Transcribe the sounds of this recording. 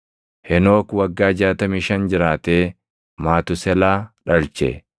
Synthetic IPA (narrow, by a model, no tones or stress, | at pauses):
hɛno̞ːkwɐɡːaːd͡ʒaːt̪ɐmiːʃɐnd͡ʒɪɾaːt̪eː | maːt̪ʊsɛlaːᶑɐlt͡ʃɛ̰